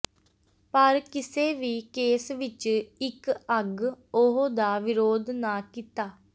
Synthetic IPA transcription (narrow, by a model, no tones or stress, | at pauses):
pəɾkɪseːʋiːkeːsʋɪt͡ʃɪkəɡoɦoːd̪aːʋɪɾoːd̪naːkit̪aː